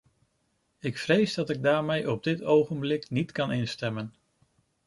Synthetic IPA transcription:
ɪkfrejzdɑtɪɡ̚daːɹmejʔɔb̚dɪtowχənblɪknitkɑnɪnstɛmən

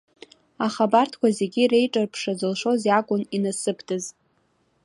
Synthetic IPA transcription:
aχabartʰkʷʰaze̞ɡʲire̞jʈ͡ʂʼarpʰʂazɨlʂo̞zjakʷʼʊninasɨpʰdʰʼɨz

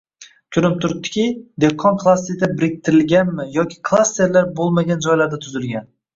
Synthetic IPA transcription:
kʲʰʊɾɪp̚t̪ʰʊɾɪp̚t̪ʰːɪ̥kʲɪd̪ekʰːɒnkʰlˠasːit̪abɪɾɪk̚ʲt̪ʰɪɾɪlɡʲanmɪjɒkʲʰɪ̥kʰlˠast̪e̞ɾlaɾbolˠmaɡʲand͡ʒɒjlaɾd̪at̪ʰʊzɪlɡʲan

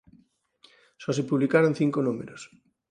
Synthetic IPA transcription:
sɔsepuβlikaɾon̟θiŋkonumḛɾos

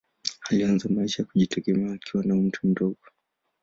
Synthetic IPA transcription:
alianzamaiʃajakuʄitʰɛɡɛmɛaːkʰiwanam̩tʰum̩dɔɡɔ

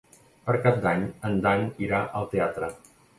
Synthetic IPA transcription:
pəɾkap̚d̪aɲənd̪aniɾaʔəlˠt̪eat̪ɾə

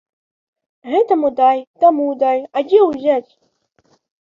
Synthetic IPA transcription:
ɣɛt̪ɐmud̪ajt̪amud̪ajad͡zʲɛwzʲat͡sʲ

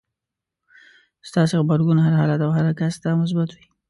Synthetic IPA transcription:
st̪ɑsexbaɾɡunɦaɾɦɑlat̪awɦaɾakasd̪ɑmʊs̬bat̪wi

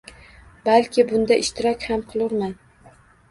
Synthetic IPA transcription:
balˠkʲɪbʊnd̪aʔɪʃt̪ʰɪɾɒkʲhamqʰɨlˠɪɾman

